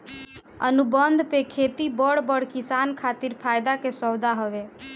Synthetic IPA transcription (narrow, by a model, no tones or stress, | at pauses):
ə̰nubənd̪ʱpekʰet̪ibəɽbəɽkisankʰat̪iɾpʰajd̪akesɔwd̪aɦəʋe